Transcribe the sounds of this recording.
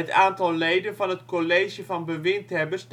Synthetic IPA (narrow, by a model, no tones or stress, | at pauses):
ətaːntɑlˠːejdənvɑnɦətkoleːʒəvɑnbəʋɪntɦɛbəs